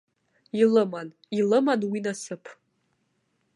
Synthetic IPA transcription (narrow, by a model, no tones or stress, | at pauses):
ilɨman | ilɨmanwinasɨpʰ